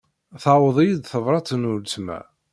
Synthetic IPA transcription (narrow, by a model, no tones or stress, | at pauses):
θawəðˤijid̪θəvɾˤɑt̪ənult͡smæ̰